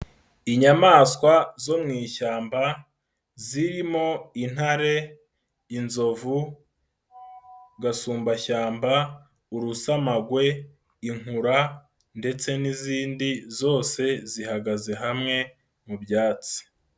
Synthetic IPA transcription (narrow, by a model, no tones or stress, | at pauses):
iɲamaːskwazo̞mŋiːʃaːmba | ziɾimo̞in̥haɾe̞ | inzo̞vu | ɡasuːmbaʃaːmba | uɾusamaɡwe̞ | iŋ̥uɾa | nde̞t͡se̞niziːndizo̞ːse̞zihaɡaze̞ɦamŋe̞ | mubjaːt͡si̥